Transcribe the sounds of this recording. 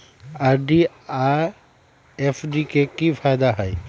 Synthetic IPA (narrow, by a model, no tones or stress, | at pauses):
aɾɖi | a | efʰɖikekifʰaːɪd̪aɦɛj